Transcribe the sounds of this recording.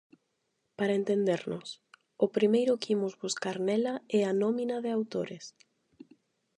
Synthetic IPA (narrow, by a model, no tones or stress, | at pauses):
paɾɐent̪end̪eɾnʊs | ʊpɾimejɾʊkimʊzβuskaɾnɛlɐɛanɔminɐðɪawt̪oɾes